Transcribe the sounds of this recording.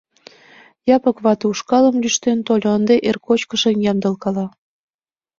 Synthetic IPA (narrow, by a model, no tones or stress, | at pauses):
jɑpɤ̆kβɑt̪uʃkɑlə̆mlyʃt̪ent̪olʲoənd̪eʔerkot͡ɕkə̆ʃemjɑmd̪ə̆lkɑlɑ